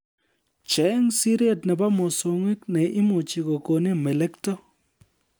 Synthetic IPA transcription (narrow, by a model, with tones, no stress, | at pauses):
t͡ʃɛ˦ŋsi˦ɾi˦e˨tnɛ˨ba˦mɔ˨so˨ŋwɪ˦knɛ˨ʔɪ˦mo˨t͡ʃi˨ko˨ko˨ne˦mɛ˨lɛ˦ktɔ˦